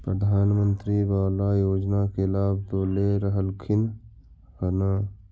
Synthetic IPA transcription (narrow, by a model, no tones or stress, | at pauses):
pɾəd̪ʱaːnmə̃nt̪ɾibaːlajoːd͡ʒnakelaːbʱd̪oːleɾəɦəlkʰɪn | kənaː